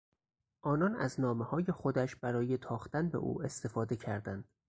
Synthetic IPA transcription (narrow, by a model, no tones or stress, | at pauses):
ʔɒːnɒnæ̰znɒːmehɒːje̞xo̞d̪æʃb̥æɾɒːje̞t̪ʰɒːxt̪ænbe̞̰ʔṵːe̞st̪e̞fɒːd̪e̞cʰæɾd̪ænd̪̥